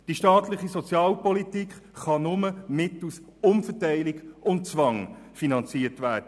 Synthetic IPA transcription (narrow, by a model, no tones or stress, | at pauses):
d̥iʃtɑːtlɪχisɔt͡sjɑːlpɔlitikχχɑnʊməmɪtl̩s | ʊmfətæɪlɪɡʊnt̚t͡svɑŋ | finɑnt͡siːətvæːd̥ə